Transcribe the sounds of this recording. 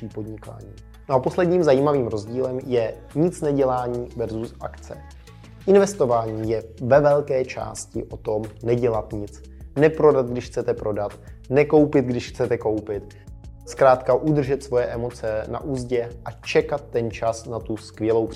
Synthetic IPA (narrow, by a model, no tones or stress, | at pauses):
iːpodɲɪka̰ːɲiː | noaposlɛdɲiːmzajiːmaviːmɾo̞zɟiːlɛmjɛ | ɲɪt͡snɛɟɛlaːɲiːvɛɾzusʔa̰kt͡sɛ̰ | ʔɪnvɛst̪o̞vaːɲiːjɛvɛvɛlkɛːt͡ʃa̰ːscɪ̰ʔo̞t̪o̞mnɛɟɛlat̪ɲɪt͡s | nɛpɾo̞dad̪̚ɡdɪʃxt͡sɛt̪ɛpɾo̞dat̪ | nɛko̞wpɪt̪̚ɡdɪʃxt͡sɛt̪ɛko̞wpɪt̪ | skɾaːt̪kaʔud̪r̩ʒɛt̪svo̞jɛʔɛmo̞t͡sɛna̰ʔuːzɟɛʔat͡ʃɛkat̪̚ːɛnt͡ʃasnat̪uskvjɛlo̞wp